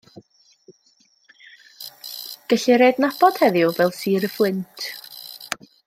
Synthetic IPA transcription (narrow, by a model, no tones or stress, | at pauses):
ɡ̥əɬiɾeːdnabɔd̥hɛðɪɔvɛlˠsiːɾəflˠɪntʰ